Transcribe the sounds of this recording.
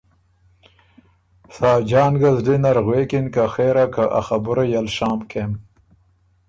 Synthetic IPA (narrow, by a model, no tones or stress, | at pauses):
sɑːd͡ʒɑːnɡazdinaɾɣwekinkaxeːɾakaʔa̰xabʊɾajalʃɑːmkʰem